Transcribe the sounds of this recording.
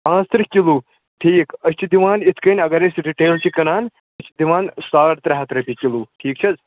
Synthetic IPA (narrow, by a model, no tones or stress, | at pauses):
ãːst̪ɾɨkʲilu | ʈʰiːkɐt͡ʃʰid̪iʋaːnit̪ʰkənʲɐɡaɾesɖiʈeːlt͡ʃikɐnaːn | ɐt͡ʃʰid̪iʋãːnsaːɾt̪ɾɐɦat̪ɾɐpʲikʲiluːʈʰiːk̚t͡ʃʰid͡z